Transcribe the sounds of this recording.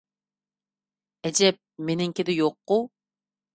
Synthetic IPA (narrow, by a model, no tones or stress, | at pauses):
ɛd͡ʒɛp̚menɪŋkʲɪd̪ɪjoqːu